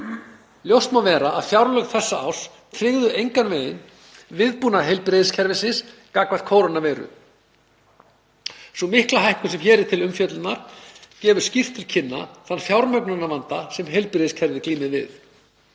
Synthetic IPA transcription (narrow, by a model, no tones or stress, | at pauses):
ljowst̪mawvɛːɾaʔaðfjawɾlœɣθɛsːaa̰ws | t̪ʰɾɪɣðʏʔejŋkanveːjɪn | vɪðpuːnaɦejlpɾeðɪscʰɛɾvɪnsɪnskakvað̥kʰoːwɾanavɛːɾʏ̰ | sɔmɪhklaɦajhkʏsɛmçɛːɾɪt̪ʰɪlʏmfjœt̪lʏt̪naɾ̥cɛːvʏɾ̥scir̥t̪ʰːɪlcʰɪnːa̰θanːfjawɾmœknanavant̪asɛmɦejlpɾeːðiscʰɛɾvɪkliːmɪðvɪ̰ð